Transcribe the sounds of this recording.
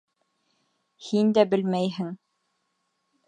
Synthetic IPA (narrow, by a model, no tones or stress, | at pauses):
hind̪æbɘ̆lmæjɦɘŋ